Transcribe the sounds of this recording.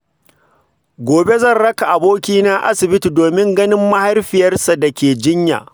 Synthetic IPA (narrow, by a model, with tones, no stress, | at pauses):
ɡʷoː˨be˦zɐ˦˨nɽɐ˦ka˨ʔa˨boː˦kʲiː˦na˦ʔa̰˦sɪ˨bɪ˦ti˨doː˨mɪ˦ŋɡɐ˦nɪ˦mːɐ˦ha˦rɸɪ˨jɐ˦rsa˨dɐ˨kʲeː˨d͡ʒɪ˦ɲja̰ː˨